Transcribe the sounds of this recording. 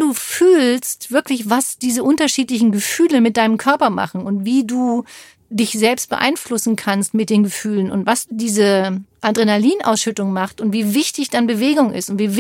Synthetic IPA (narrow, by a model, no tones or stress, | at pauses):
duːfyːlstv̥ɪɐklɪçvasd̥iːzəʔʊntɐʃiːtlɪç̬n̩ɡəfyːləmɪt̚d̥aɪnəmkʰœɐpɐma̰χn̩ʊntv̥iːduː | dɪçz̥ɛlpst̚b̥ə̰ʔa̰ɪnflʊsn̩kʰanstmɪt̚d̥eːnɡəfyːlənʊ̰ntvasd̥iːzəʔadʁenaliːnʔa̰ʊsʃʏtʊŋmaχtʊntv̥iːvɪçtɪçd̥anbəveːɡʊŋʔɪ̰stʊntv̥iːv